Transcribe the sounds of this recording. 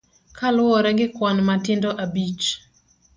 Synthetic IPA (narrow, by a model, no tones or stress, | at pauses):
kʰalʊɔɾɛɡɪkwanmatɪndɔʔabit͡ʃ